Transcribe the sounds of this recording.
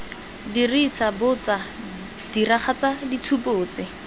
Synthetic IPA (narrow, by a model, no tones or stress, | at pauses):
dirisʰabʊt͡sa | d̥iraχat͡sadit͡sʰupʊːt͡sɪ